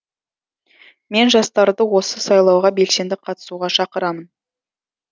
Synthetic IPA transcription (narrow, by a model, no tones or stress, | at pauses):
me̞nʒɑst̪ɑɾd̪əwo̞səsɑjlˠɑwʁɑbe̞lse̞nd̪ɪqʰɑt̪ə̥suʁɑʃɑqəɾɑmən